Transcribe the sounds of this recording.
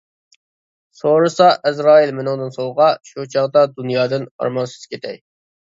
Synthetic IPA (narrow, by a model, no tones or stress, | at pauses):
soɾɨsɑʔɛzɾɑːilmɪnɨŋd̪ɨnsolˠʁɑʃut͡ʃʰɑʁd̪ɑd̪unjɑːd̪ɨnɑ̰ɾmɑnsy̥z̥kʲʰet̪ʰɛj